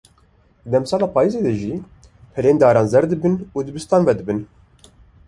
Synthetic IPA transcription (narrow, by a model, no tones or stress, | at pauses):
d̪ɛmsɑːlaːpʰaːjizeːd̪ɛʒiː | pʰɛleːnd̪aːɾɑːnzɛɾd̪ɨbɨnuːd̪ɨbɨst̪ɑːnvɛd̪ɨbɨn